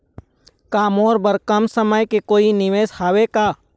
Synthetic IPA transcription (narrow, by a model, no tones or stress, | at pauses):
kaːmoːɾbəɾkəmsəməjkekoːinɪʋeːshaːʋekaː